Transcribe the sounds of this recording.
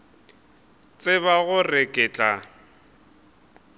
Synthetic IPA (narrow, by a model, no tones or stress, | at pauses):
t͡sʼɪβaɣʊrɛkʼɛt͡ɬʼa